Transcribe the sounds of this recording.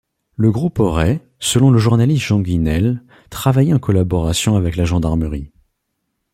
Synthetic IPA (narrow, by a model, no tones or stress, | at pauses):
ləɡʁupɔʁɛ | səlɔ̃ləʒuʁnalist̪ʒ̥ɑ̃ɡʲinɛl | t̪χavajɛɑ̃kɔlabɔʁasjɔ̃avɛklaʒɑ̃d̪aʁməʁi